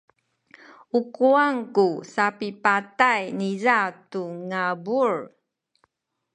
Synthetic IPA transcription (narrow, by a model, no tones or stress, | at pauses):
ukuaŋkusapipatajnizatuŋabuɹ